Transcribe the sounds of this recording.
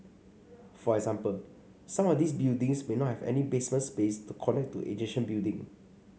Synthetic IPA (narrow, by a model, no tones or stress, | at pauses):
fɔɛɡzãmpəl | sãmɔfdis̬bildĩŋsmenɔt̚hɛvɛ̰nibesmə̃nspestukʰɔnɛk̚tṵʔḛd͡ʒɪkʃə̃nbildĩŋ